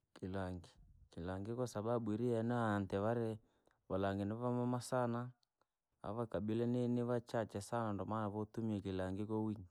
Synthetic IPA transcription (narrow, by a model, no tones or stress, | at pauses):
kilaŋɡikilaŋɡikɔsaɓaɓuiɾiɛnaantɛβaɾɛ | βalaŋɡinɛβamamasana | a̰βakaɓilɛneniβat͡ʃat͡ʃɛsanandɔmanaβɔtumiɛkilaŋɡikɔwiɲ